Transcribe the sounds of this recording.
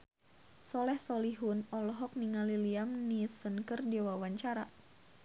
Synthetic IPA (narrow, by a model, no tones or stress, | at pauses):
sɔlɛhsɔliɦunɔlɔɦɔk̚niŋaliliamnisənkərdiwawaɲt͡ʃaɾa